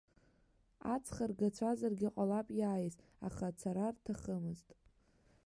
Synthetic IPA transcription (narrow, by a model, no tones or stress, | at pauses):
at͡sʰχarɡat͡ʃʷʰazarɡʲɪqʼalapʼjaːjiz | a̰χat͡sʰaɾartʰaχəmɨztʼ